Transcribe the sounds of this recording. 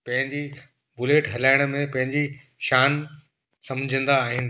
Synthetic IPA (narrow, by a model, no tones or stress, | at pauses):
pɐ̃ɦɪ̃ɲd͡ʑi | bʊleːʈɦɐlaːɪɽ̃̆mẽpɐ̃ɦɪ̃ɲd͡ʑi | ʃaːn | sɐmd͡ʑʱə̃nd̪aːɦɪnɪ̆